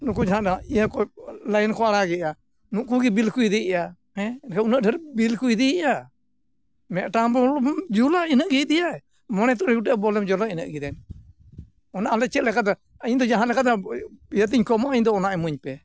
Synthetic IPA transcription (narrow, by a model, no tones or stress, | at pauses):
nuk̬ud͡ʒaɦanaijakɔlajnkɔaɽaɡɛʔa | nuʔkuɡibilkuid̪iɛʔa | ɛ̃nkaunəʔdəɾbilkuid̪iɛʔa | mɛʔʈambɔld͡ʒulainəʔɡɛjd̪ɛjaɛ | mɔnɛt̪ɔɾɛɡuʈɛʔbɔlɛmd͡ʒɔlainə̰ʔɡid̪ɛn | ɔnaʔalɛt͡ʃɛt̪̚lɛkat̪a | aɲd̪ɔd͡ʒaɦanlɛkat̪ajət̪̬iɲkɔmɔʔaɲd̪ɔːnaʔɛmuɲpɛ